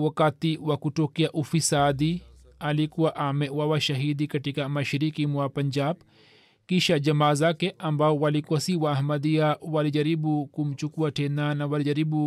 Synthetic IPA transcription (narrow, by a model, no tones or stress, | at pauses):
wɐkat̪iwakuʈokijaʔufisaːd̪i | alikuwaʔamewawaʃɐɦid̪ikɐʈikamɐʃɾikimuwapɐɲd͡ʒaːb | kiʃad͡ʒɐmaːzakeʔɐmbawalikuwasiwaːɦmɐd̪ijawalid͡ʒɐɾibukumt͡ʃukuaʈʰenanawalid͡ʒɐɾibu